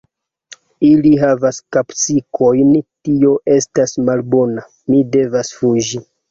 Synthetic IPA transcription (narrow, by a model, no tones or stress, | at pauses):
iliɦavaskapt͡sikʰo̞jntio̞ʔe̞stasmalbo̞na | mide̞vasfud͡ʒi